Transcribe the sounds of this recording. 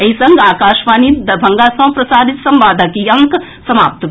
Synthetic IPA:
ɐisɐŋɡaːkaːʃʋaːniːt̪d̪ɐbʱɐŋɡaːsɐ̃wpɾɐsaːd̪it̪sɐmʋaːd̪ʱɐkijɐŋk | sɐma̰ːp̚t̪

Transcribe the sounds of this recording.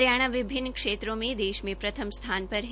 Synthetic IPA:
ɾjaɽ̃aʋɪbʱɪnːəkʂet̪ɾomẽd̪eːʃmẽpɾɐt̪ʰəmst̪ʰanpəɾɦ

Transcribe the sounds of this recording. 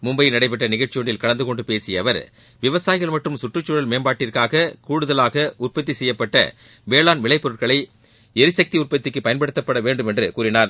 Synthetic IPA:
mʊmbɐjɪnɐɽɐɪp̬ːɛʈːɐnɪɣɐɭʈt͡ʃːɪjoɳɖɪlkɐɭɐnd̪ɯkɔɳɖɯpeːsɪjɐʋɐɾ | ʋɪʋɐsaːjɪɣɐɭmɐʈrɯmsʊʈrɯt͡ʃːʊɽɐlmeːnbaːʈːɪɾkaːɣɐkuːɽɯðɐlaːɣɐʔʊrpɐt̪̬ːisɛjːɐpːɐʈːɐ̰ | ʋeːɭaːnʋɪɭɐɪpːɔɾɯʈkɐɭɐɪ | ɛɾɯsɐk̚t̪iʊrpɐt̪ːɪkːɯpːɐjɐnpɐɽɯt̪ːɐpːɐɽɐʋeːɳɖɯmɛndrɯkuːɾɪnaːɾ

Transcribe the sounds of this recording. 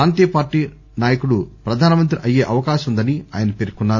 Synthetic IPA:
aːnt̪̬iːjɐpaːɾʈiː | naːjɐkuɽupɾɐd̪ʱaːnɐmɐnt̪̬ɾiʔɐjːeːʔɐʋɐkaːʃɐund̪ɐnia̰ːjɐnɐpeɾikunːaː

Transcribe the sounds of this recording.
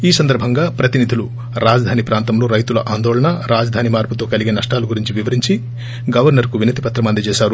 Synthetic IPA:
iːsɐnd̪ɐɾbʱɐŋɡaːpɾɐt̪inid̪ʱilu | ɾaːd͡ʒɐd̪ʱaːnipɾaːnt̪ɐmloːɾɐjt̪ulɐʔaːnd̪ɔːɭɐɳɐɾaːd͡ʒɐd̪ʱaːnimaːɾput̪o̞ːkɐliɡeːnɐʂʈaːluɡuɾiɲt͡ʃiʋiʋɐɾiɲt͡ʃi | ɡɐʋɐɾnɐɾkuʋinɐt̪ipɐt̪ɾɐmɐnd̪ɐt͡ʃɛːʃaːɾu

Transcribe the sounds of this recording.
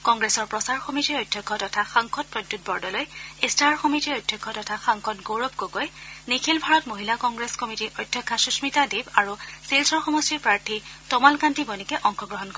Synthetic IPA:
kɔŋɡɹesɔɹpɹɔsaɹxomitiɔjdʱjɔkʰːɔtɔtʰaxaŋkʰɔt̚pɹɔdːut̚bɔɹdɔlojestaɹxɔmitiɔjdʱjɔkʰːɔtɔtʰaxaŋkʰɔtɡoɹɔbkoɡojnikʰilbʱaɹɔtmoɦilakɔŋɡɹeskɔmitiʔɔjdʱjɔkʰːasusmitadibaɹuselsɔɹxɔmɔstipɹaɹtʰitɔmalkantʰibɔnikɛʔɔŋkɔɡɹɔɦɔnkɔɹɛ

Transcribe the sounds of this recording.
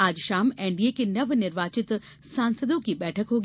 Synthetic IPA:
aːd͡ʑʃaːmẽːɳɖijekenɐʋnɪɾʋaːt͡ɕɪt̪ | sãːnsəd̪õkiɓɛːʈʰəkɦoːɡ

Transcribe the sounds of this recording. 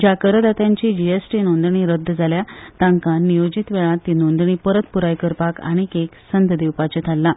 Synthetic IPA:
d͡ʑakəɾəd̪at̪jãɲt͡ɕiːd͡ʑiesʈiːnõnd̪ɳiːɾəd̪ʱːd͡zʱaljat̪ãŋkanːijod͡ʑit̪ʋeɭãt̪ːinond̪ɳiːpəɾət̪puɾajkəɾpaka̰ɽ̃ikeksənd̪d̪iwpat͡ɕet̪ʰalːa

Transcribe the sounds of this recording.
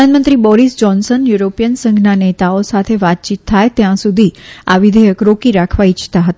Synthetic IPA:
anmənt̪ɾibɔɾisd͡ʒɔnsənjuɾopijənsə̃ŋɡʱnanet̪aosat̪ʰeʋat̪̚t͡ʃit̪ʰːajt̪jãsud̪ʱiaʋid̪ʱəjəkɾokiɾakʰʋait͡ʃʰt̪aɦət̪a

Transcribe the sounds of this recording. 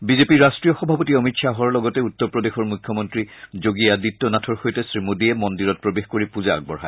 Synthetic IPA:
bizepiɹastɹijɔxɔbʱapɔtiɔmitsʰaɦɔɹlɔɡɔtɛutːɔɹpɹɔdexɔɹmukʰːjɔmɔntɹizoɡijaditːɔnatʰɔɹxojtɛsɹimudiɛmɔndiɹɔt̚pɹobexkoɹipuzaa̰ɡ̚bɔɹɦa̰

